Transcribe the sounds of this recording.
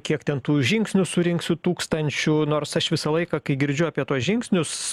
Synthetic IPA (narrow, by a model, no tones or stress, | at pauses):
kʲiɛkt̪ʲɛnt̪uːʒʲɪŋksʲnʲʊsʊɾʲɪŋksʲʊt̪uːkst̪ɐnʲt͡ʃʲʊnoːrsɐʃʋʲɪsɐlˠɐɪkɐkɐɪɡʲɪɾʲd͡ʒʲʊɑːpʲiɛt̪uɔsʒʲɪŋksʲnʲʊs